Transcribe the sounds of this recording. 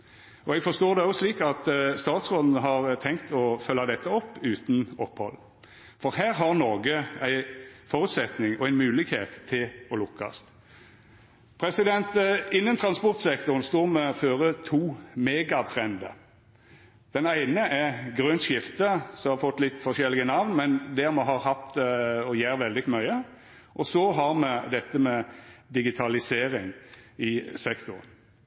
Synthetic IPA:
ʔɔɛɡfɔst̪oːd̪ɛɔsliːkɑt̪st̪ɑːt̪sʁoːd̪n̩əɦɑʁt̪ʰɛŋkt̪ɔfœlːɑd̪ɛt̪ʰːəɔpːʉːt̪n̩ɔphɔ̰lː | fɔɾɦæːɾɦɑʁnɔːɡəæɪfoːɾʉt̪sɛt̪nɪŋɔæɪnmʉːlɪɡhḛːt̪ʰːɪlɔlʊkːɑ̰st̪ | pʰɾɛsɪd̪ɛnt̪ɪnːənt̪ʰɾɑnspɔʁt̪sɛkt̪ʊʁənst̪uːʁmɛɔføːʁət̪ʰuːmeːɡɑt̪ʰʁɛnd̪ə̰ | d̪̥ɛnæɪnəʔɛɡʁœnt̪ʃɪft̪əsɔmhɑɾfɔt̪ːlɪt̪ːfɔʃɛlːɪɡənɑʋnmɛnd̪ɛʁmɛɦɑɾhɑt̪ɔjæːɾʋɛld̪ɪmœʏə | ʔɔsɔɦɑʁmɛd̪ɛt̪ːəmɛd̪ɪɡɪt̪ʰɑlɪseːɾɪŋɪsɛkt̪ʊʁən

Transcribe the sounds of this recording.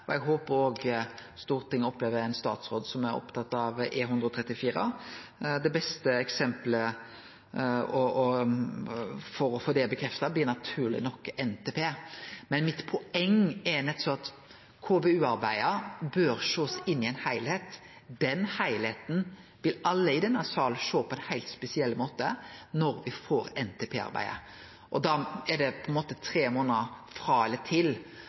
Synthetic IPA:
ɔɛɡɦoːpəɾoːɡst̪uːɾt̪ʰɪŋːɔpleːʋəɾæɪnst̪ɑ̰ːt̪sʁoːd̪sɔmæɾɔ̰pt̪ʰɑt̪ːɑʋeɦʉnd̪ɾɔt̪ʰʁɛt̪ːɪfiːɾə̰ | d̪ɛbɛst̪əɛksɛmplə | ɔɔ | fɔɾɔfoːd̪eːlbəkʰɾɛft̪ɑblɪːnɑt̪ʰʉːʁlɪ̰nɔkːɛnt̪ʰeːpʰeːmɛnmɪt̪pʰʊɛŋːɛɾnɛt̪sɔɑt̪ | kʰoːbeʉːɑɾbæɪəɾbøːɾʃoːsɪnːɪɛɪnhæɪlhet̪ | d̪ɛnhæɪlheːt̪n̩ | ʋɪlɑlːəɪd̪ɛnːəsɑːlʃoːpʰɔɛnhæɪt̪spɛsɪɛlmoːt̪ənɔɾʋɪfoːɾɛnt̪ʰɛpʰeːɑ̰ɾbæ̰ɪə̰ | ʔɔd̪ɑɛɖ̪ɛpʰɔɛnmoːt̪ət̪ʰɾeːmoːnəfɾɑːɛlət̪ʰɪl

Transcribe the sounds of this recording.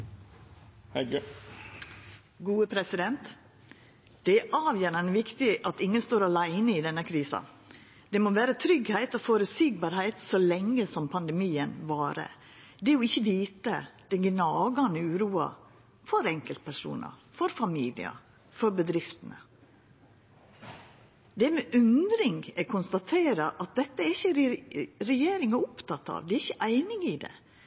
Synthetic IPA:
ɡuːəpʰɾɛsɪd̪ɛnt̪ | d̪̥ɛæʔɑːʋjæːɾɑʋɪkt̪ɪʔɑt̪ɪŋːənst̪oːɾɑlæɪnəɪd̪ɛnːəkʰɾiːsɑ̰ | d̪̥ɛmoʋæːɾət̪ʰɾʏɡhæɪt̪ɔfoːɾʉt̪siːɡbɑːɾhæɪt̪sɔlɛŋːəsɔmpʰɑnd̪ɛmiːənʋɑːɾə̰ | d̪ɛjɔɪçːəʋiːt̪əd̪̥ɛnɡnɑːɡɑnəʉːɾuːɑ̰ | fɔɾɛŋkəlt̪̚pʰæʂṵːnə̰fɔɾfɑmiːlɪ̰ə̰ | fɔɾbəd̪ɾɪft̪ən̩ə̰ | d̪ɛmɛʔʉnd̪ɾɪŋɡɛkʰʊnst̪ɑt̪ʰeːɾɑʔɑt̪̚d̪ɛt̪ːəæɾɪçːə | ɾɛjeːɾɪŋɑʊpt̪ɑt̪ːɑ̰ʋd̪ɛæɾɪçːəʔæɪnɪɡɪd̪ɛ̰

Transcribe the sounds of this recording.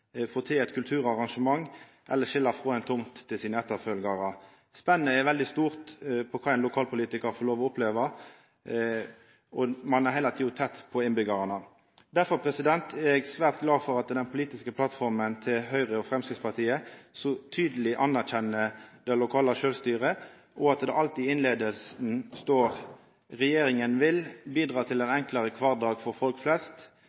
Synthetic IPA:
foːʁt̪ʰɪɛt̪kʰʉlt̪ʰʉːʁɑʁɑŋʂəmɑŋː | ʔɛ̰lːəʃɪlːəfʁoːɛnt̪ʰʊmt̪ʰːɪlsiːnəɛt̪ːəʁfœlɡɑʁə | spɛnːnəɛʋɛld̪ɪst̪uːʁt̪pʰɔkʰɑːɛɪnlʊkʰɑːlpʊliːt̪ɪkəʁfɔʁloːʋɔʊpleːʋɑ | ɔmɑnæʁhɛɪlɑt̪ʰiːʊt̪ʰɛt̪ːpʰɔɪnbʏɡɑʁɑnə | d̪æɾfɔʁpʰɾɛsɪd̪ɛnt̪ʰæɛɡsʋæːʁt̪ɡlɑːfɔɾɑt̪d̪ɛnpʰʊliːt̪ɪskəpʰlɑt̪fɔʁmənt̪ʰɪlɦœʏʁəɔfʁɛmskɪt̪spʰɑʁt̪ʰiːəsɔt̪ʰyːd̪əlɪʔɑnæʁçɛnːəd̪̥ɛlʊkʰɑːləʃøːlst̪yːʁə | ʔɔɑt̪d̪ɛʔɑlt̪iːɪnleːd̪əlsnst̪oːʁ | ʁɛjeːɾɪŋənʋɪlbiːd̪ʁɑːt̪ʰɪlɛnɛŋkləɾəkʰʋɑːʁd̪ɑːɡfɔɾfɔlkflɛst̪

